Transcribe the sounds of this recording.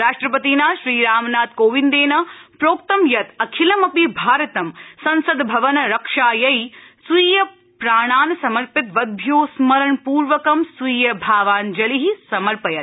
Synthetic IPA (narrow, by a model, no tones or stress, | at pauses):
ɾaːʂʈɾɐpɐt̪iːnaːʃɾiːɾaːmnaːt̪koːʋind̪eːnɐpɾoːk̚t̪ɐmjɐt̪ɐkʰilɐmɐpibʱaːɾɐt̪ɐmsɐnsɐd̪bʱɐʋɐnɐɾɐkʂaːjɐjsujjɐ | pɾaːɳ̃aːnɐsɐmɐɾpɪt̪ʋɐd̪̚bʱjoːsmɐɾɐɳpuːɾʋɐkɐmsujjɐbʱaːʋaːnd͡ʒɐliɦisɐmɐɾpɐjɐt̪